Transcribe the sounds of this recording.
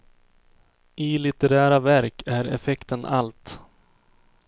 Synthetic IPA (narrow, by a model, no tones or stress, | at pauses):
ʔɪlɪt̪ɛɾæːɾavæɾkæɾɛ̰fɛkt̪ənʔa̰lt̪